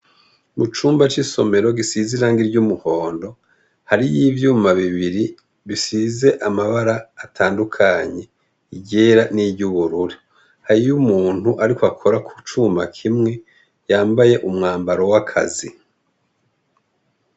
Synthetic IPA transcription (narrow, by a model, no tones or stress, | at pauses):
mut͡ʃuːmbat͡ʃiso̞̰me̞ɾo̞ɡisiziɾaŋɡiɾɟumuho̞ːndo̞ | haɾijivjuːmaβiβiɾi | βisize̞ʔamaβaɾaːtʰaːndukʰaɲe̞ | iɟeːɾaniɟuβuɾuɾi | haɾijumuːn̥huʔaɾikwakʰo̞ɾakʰu̥t͡ʃuma̰kʰimŋe̞ | jaːmbaje̞ʔumŋaːmbaɾo̞wakʰa̰zi